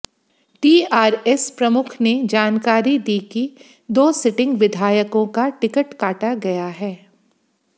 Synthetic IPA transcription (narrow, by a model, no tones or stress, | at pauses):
ʈiːaːɾɛspɾɐmʊkʰned͡ʒaːnkaːɾid̪iːki | d̪oːsɪʈɪ̃ŋɡʋɪd̪ʱaːjəkõkaʈɪkəʈkaːʈaɡɐjaɦɛː